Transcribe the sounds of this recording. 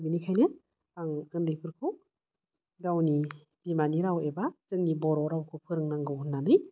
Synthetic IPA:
binikʰajnɯ | aŋɯndɯjpʰɯɾkʰɯw | ɡawni | b̥imaniɾawebazɯŋnibɔɾɔɾawkʰɯpʰɯɾɯŋnaŋɡɯwunːanɯj

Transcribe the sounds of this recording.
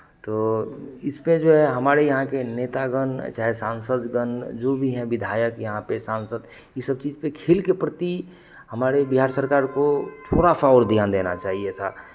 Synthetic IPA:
t̪oːɪsmẽd͡ʒoɦɛɦɐmaːɾejəɦãkeneːt̪aɡənt͡ʃaːɦesãːnsəd̪ɡənd͡ʒobʱiɦɛ̃ʋɪd̪ʱaːjəkjɐɦãpesãːnsəd̪ | isəb̚t͡ʃiːd͡ʒpekʰeːlkepɾət̪i | hɐmaːɾebɪɦaːɾsəɾkaːɾkot̪ʰoːɽapaːʊɾd̪ʱijaːnd̪eːna̰t͡ʃaːɦiet̪ʰa̰ː

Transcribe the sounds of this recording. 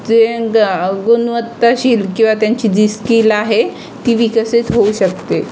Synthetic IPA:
d͡ze | ɡunʋət̪ːaɕiːlkĩw̃ʋat̪jaɲt͡ɕiːd̪iskilaɦe | t̪iːʋikəsit̪ɦouɕəkt̪e

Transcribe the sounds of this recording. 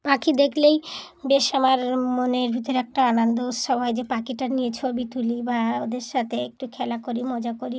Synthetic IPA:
pakid̪ekʰlej | beʃamaɾmoneɾbʱit̪oɾeɛk̚ʈaanond̪out̪ʃɔbʱɦɔed͡ʑepakiʈanijet͡ɕʰobit̪ulibaod̪eɾʃat̪ʰeek̚ʈukʰɛlakoɾimɔd͡ʑakoɾi

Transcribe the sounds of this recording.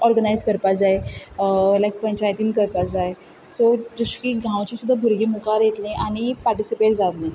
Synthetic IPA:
ɔɾɡənajzkəɾpad͡zae | lajk̚pəɲt͡ɕajt̪iːnkəɾpad͡zae | sod͡ʑuɕkiːɡʱãwt͡ɕisud̪ʱːabʱuɾɡiːmukaɾjet̪lẽʔaɽ̃ipaɾʈisipeʈd͡zalẽ

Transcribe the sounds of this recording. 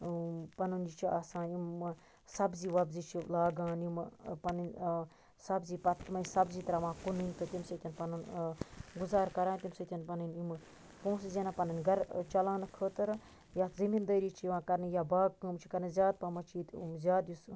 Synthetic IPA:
pɐnund͡ʒit͡ʃʰiaːsãːnim | sɐbziːʋɐbzit͡ʃʰilaːɡãːnimpɐnɨn | sɐbziːpɐt̪mɐisɐbziːt̪ɐɾaʋãːkunɨnʲt̪ɨt̪imset̪ʲinpɐnun | ɡuzaːɾkɐɾaːnʲt̪imset̪ʲɐnpɐnɐnimɨ | põːszʲenapɐnɐnɡɐɾt͡ʃɐlãːnɐkʰəːt̪ɨɾ | jaːt̪zɐmind̪ɐːɾiːt͡ʃʰiʋãːkɐɾnɨjabaːɡ̚kɨmt͡ʃʰi̥kɐɾnɨzʲjaːd̪̚pɐmɐt͡ʃʰiːt̪ḭmzʲjaːd̪jis

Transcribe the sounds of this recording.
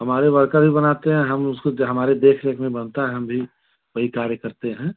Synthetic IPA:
ɦɐmaːɾeʋɐɾkabʱibɐnaːt̪eɦɛ̃ɦɐmʊskoɦɐmaːɾed̪eːkʰɾekʰmẽbɐnt̪aɦɛɦɐ̃mbʱi | ʋɐɦikaːɾjəkəɾt̪eɦɛ̃ː

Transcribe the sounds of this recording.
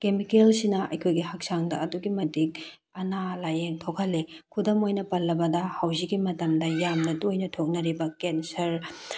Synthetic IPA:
kemikelsinɐʔɐ̰jkʰojɡihɐk̚saŋdɐɐduɡimɐdik̚ | ɐnalajeŋtʰokʰɐlːekʰudɐmojnɐpɐlːɐbɐdɐhɐwziɡimɐtɐmdɐjamnɐtojnɐtʰok̚nɐɾibɐkensɐɾ

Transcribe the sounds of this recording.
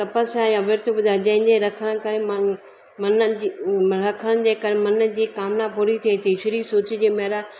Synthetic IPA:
t̪ɐpəsaːjãʋɪɾt̪ʰbʊd̪ʱad͡ʑɐ̃ɦɪ̃ɲd͡ʑeɾɐkʰəɽ̃kɐɾemɐ | mɐnə | ɾɐkʰəɽ̃ə̃ɽ̃ɪ̆d͡ʑeːkɐɾemɐnə̆d͡ʑiːkaːmnapuːɾit̪ʰiːt̪ʰiʃɪɾisʊːt͡ɕɪd͡ʑeːmɐɦɾa

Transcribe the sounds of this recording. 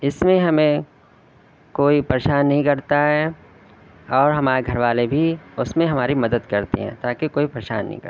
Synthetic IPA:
ɪsmẽɦɐmẽ | koːipɾeʃaːnːɐɦĩkɐɾt̪aɦɛː | ɔːɾɦɐmaːɾeɡʱɐɾʋaːlebʱiʊsmẽɦɐmaːɾimɐd̪əd̪kɐɾt̪ḛɦɛ̰̃ːt̪aːkekoːipɾeʃa̰ːnːɐ̰ɦḭ̃kɐ̰ɾ

